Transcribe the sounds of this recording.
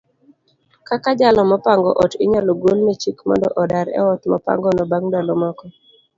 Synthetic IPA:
kakad͡ʒalɔmɔpaŋɡɔ̰ʔɔtɪɲalɔɡolmet͡ʃikmɔ̰ndɔ̰ʔɔdaɾɛ̰ɔt̪mɔpa̰ŋɡɔnɔbaŋdalɔmɔkɔ

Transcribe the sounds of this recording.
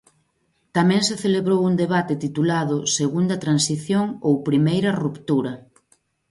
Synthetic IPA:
t̪amɛ̃ŋseθeleβɾowund̪eβ̞at̪et̪it̪ulaðʊseɣund̪ɐt̪ɾansiθjoŋowpɾimejɾɐrupt̪uɾɐ

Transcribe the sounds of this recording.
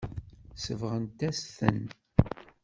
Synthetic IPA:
səvʁənt̪æsθə̰n

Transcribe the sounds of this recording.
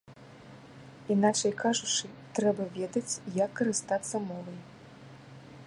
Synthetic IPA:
inat͡ʂɐjkʰaʐut͡ʂɨt̪ɾɛbɐvʲɛd̪ɐt͡sʲjɐkːɐɾɨst̪at̪sːɐmɔvɐj

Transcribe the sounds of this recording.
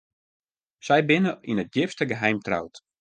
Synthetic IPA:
sɛjbɪnəinət̚jɪfstəɡəɦɛjmtra̰wt

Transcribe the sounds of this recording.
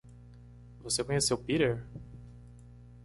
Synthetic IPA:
vosekõɲesewpiɾeɾ

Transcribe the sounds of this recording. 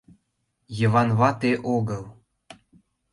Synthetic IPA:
jə̆βɑnβɑt̪eʔoɣɤl

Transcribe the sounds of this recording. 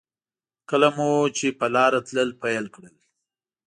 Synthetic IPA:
kəlamut͡ʃepəlɑɾat̪ləlpajəlkɽəl

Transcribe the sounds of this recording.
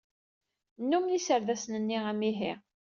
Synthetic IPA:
nːumnisəɾðæsnənːiʁæmiɦi

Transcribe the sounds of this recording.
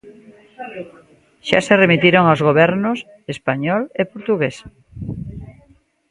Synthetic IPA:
ʃa̰seremit̪iɾoŋaozɣoβɛɾnʊs | espaɲɔlepoɾt̪uɣes

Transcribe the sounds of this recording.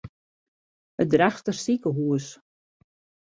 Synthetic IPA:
ədraxtərsikəɦuəs

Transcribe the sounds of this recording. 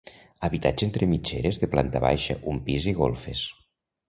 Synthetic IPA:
aβit̪ad͡ʒent̪ɾemit͡ʃeɾezðeplant̪aβa̰jʃə̰ʔumpiziɣolˠfes

